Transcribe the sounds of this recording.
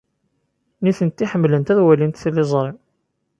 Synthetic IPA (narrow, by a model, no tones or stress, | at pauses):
niθənt̪ːiħəmːlənt̪æðwælint̪θlːɪzˤɾˤem